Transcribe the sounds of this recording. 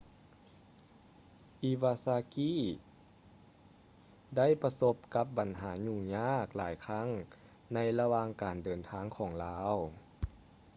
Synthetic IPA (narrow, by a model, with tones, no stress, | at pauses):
ʔi˧˦waː˧saː˧kiː˧˥˨ | da˥˨jpa˧so˧˥p̚ka˧˦p̚ba˨˩nɦaː˩˦ɲuː˧˩ɲaː˥˩k̚laː˩˦jkʰa˥˩ŋ | na˧˥jla˧waː˧ŋkaː˨˩ndɤː˨˩nt̪ʰaː˧˥ŋkʰɔː˩˦ŋlaː˦˥w